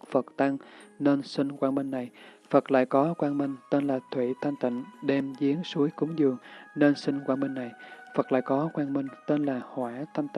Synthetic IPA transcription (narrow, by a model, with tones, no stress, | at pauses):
fə˨˩t̚t̪a˧ŋne˧nsï˧ŋ̟kwaː˧nmï˧ŋna˨˩j | fə˨˩t̚la̰ː˧˨jkɔ˨˦kwaː˧nmï˧ŋ̟t̪e˧nlaː˨˩t̪ʰwḭ˧˨t̪ʰa˧jŋt̪ḭ˧˨ŋ̟ɗɛ˧mzi˨˦ənsu˨˦əjkʊ˨˦ŋ͡mzɨ˨˩əŋne˧nsï˧ŋ̟kwaː˧nmï˧ŋ̟na˨˩jfə˨˩t̚la̰ː˧˨jkɔ˨˦kwaː˧nmï˧ŋ̟t̪e˧nlaː˨˩hwaː˧˩t̪ʰa˧jŋt̪i˧˨